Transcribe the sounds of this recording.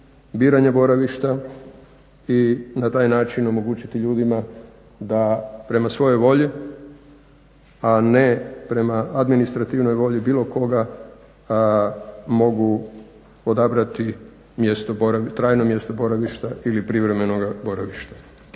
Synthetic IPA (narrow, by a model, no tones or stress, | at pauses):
biːɾaɲebo̞ɾaʋiʃt̪a | inat̪aːjnaːt͡ʃino̞mo̞ɡuːt͡ɕit̪iʎuːd̪ima | d̪apɾe̞masʋo̞jo̞jʋo̞ʎi | anepɾe̞maad̪minist̪ɾat̪iʋno̞jʋo̞ʎibiːlˠo̞ko̞ɡa | mo̞ɡu | od̪abɾat̪i | mjest̪oboɾait̪ɾaːjno̞mje̞st̪o̞bo̞ɾaʋiʃt̪aʔilipɾiʋɾe̞me̞noɡaboɾaʋiʃt̪ḁ